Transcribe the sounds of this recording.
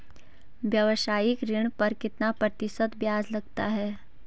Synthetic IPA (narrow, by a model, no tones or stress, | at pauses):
ʋjɐʋʃaːɪkɾɪɽ̃pɐɾkɪt̪napɾɐt̪ɪsət̪bjaːzlɐɡt̪a̰ɦɛː